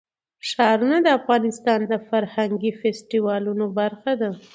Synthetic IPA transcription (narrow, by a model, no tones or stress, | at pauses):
ʂɑɾunad̪əafɣɑnɪst̪ɑnd̪əfaɾhaŋɡifesʈiwɑlunobaɾxad̪a